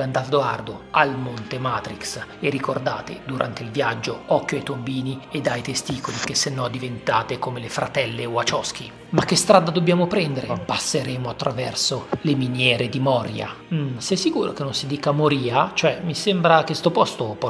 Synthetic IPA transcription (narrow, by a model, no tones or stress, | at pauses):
land̪ald̪oard̪oalmont̪emaːt̪ɾiksleɾikord̪a̰ːt̪ḛd̪uɾʔa̰nt̪eilvjad͡ʒːoɔkːjoajt̪ombiːnied̪ajt̪est̪iːkolik̟esːenːɔd̪ːivent̪aːt̪ekomelefɾa̰t̪ɛlːeoat͡ʃɔsk̟i | mak̟ːest̪ɾaːd̪ad̪objaːmopɾɛnd̪eɾepasːeɾeːmoat̪ːɾavɛrsoleminjɛːɾed̪imɔːɾja̰ | sɛsːikuːɾo̰k̟enːonsid̪iːkamoɾiːat͡ʃoɛmisembɾakest̪opɔst̪opɔ